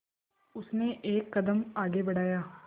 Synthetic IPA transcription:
ʊsneːʔeːkːəd̪əmaːɡeːbəɽaːjaː

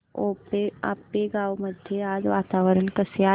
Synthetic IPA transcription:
oːpea̰ːpːeɡaːwməd̪ʱjeaːd͡ʒʋaːt̪aːʋəɾənkəsjaː

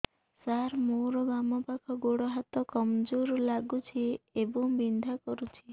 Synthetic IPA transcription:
saɾmoɾɔbamɔpakʰɔɡoɽɔɦat̪ɔkɔmd͡ʒoɾlaɡut͡ʃʰiebɔŋbind̪ʱakɔɾut͡ʃʰi

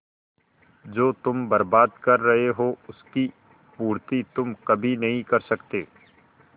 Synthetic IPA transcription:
d͡ʒoːt̪ʊmbɐɾbaːd̪kɐɾːɐɦeɦoʊski | puːɾt̪it̪ʊmkɐbʱinɐɦĩkɐɾsɐkt̪eː

